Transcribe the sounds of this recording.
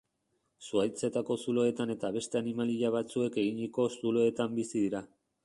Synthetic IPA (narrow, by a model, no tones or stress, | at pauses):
suajt͡se̞t̪ako̞sulo̞e̞t̪ane̞t̪aβ̞e̞st̪e̞animaliʎaβ̞at͡sue̞ke̞ɣ̞iɲiko̞sulo̞e̞t̪ambisiðiɾa